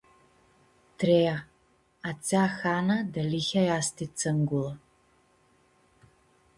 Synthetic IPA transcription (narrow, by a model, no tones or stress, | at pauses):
tʰreja | at͡sʰaːxaːnɐdɐlixʲajaːstʰit͡sʰɨŋɡʷʊlɐ